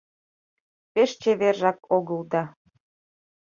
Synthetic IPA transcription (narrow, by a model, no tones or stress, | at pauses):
peʃt͡ɕeβerʒɑkoɣəld̪ɑ